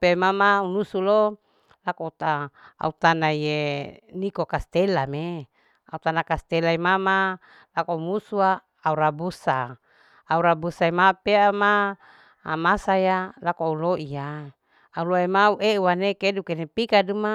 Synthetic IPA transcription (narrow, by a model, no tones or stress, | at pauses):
pemamaunusulo | lakout̪aa̰ut̪anaijenikokast̪elame | a̰ut̪anakast̪elaimama | lakounusuaː | uɾabusaː | uɾabusaimapeama̰ː | masajalakoauloʔijaː | uloemauʔeuwanekedukenepikaduma